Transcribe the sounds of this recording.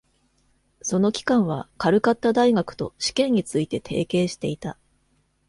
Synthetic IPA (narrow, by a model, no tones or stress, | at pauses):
so̞no̞kʲi̥kãɰ̃βa̰kaɾɯ̟kat̪ːad̪aiɡakɯ̟̥t̪o̞̰ɕi̥kẽ̞ɲ̟ːit͡sɨit̪e̞t̪ʰe̞̰ːke̞ːɕi̥t̪e̞it̪a